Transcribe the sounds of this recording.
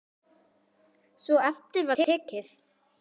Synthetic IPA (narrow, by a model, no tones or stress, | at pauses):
svɔɛft̪ɪɾvaɛɛːcɪθ